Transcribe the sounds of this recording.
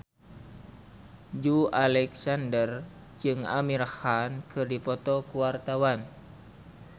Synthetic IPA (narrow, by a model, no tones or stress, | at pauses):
d͡ʒualɛksandər | d͡ʒɨŋa̰miɾhankʰɨrdipɔt̪ɔkuwart̪awan